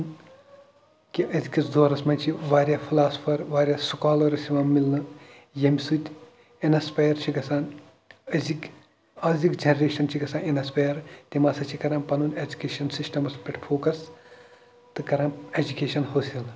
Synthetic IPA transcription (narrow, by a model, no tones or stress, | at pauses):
n | kiʔɐzkʲisd̪oːɾɐsmɐnt͡ʃʰiʋaːɾjaːpʰilaːspʰɐɾʋaːɾʲjaːsukaːlɐːɾɐsiʋaːmmːilnɨ | jɐmʲsut̪ʲ | enɐspɐjɐɾt͡ʃʰiɡɐsaːn | ɐzik | aːzʲikd͡ʒɐnɐɾeːʃɐnt͡ʃʰiɡɐsaːnenɐspɐjɐɾt̪ʲimaːsɐt͡ʃʰikɐɾãːmpɐnuned͡ʒukʲeːʃɐnsisʈɐmɐspʲɐʈʰfʰoːkɐs | t̪ɨkɐɾãːmed͡ʒukʲeːʃɐnɦoːsil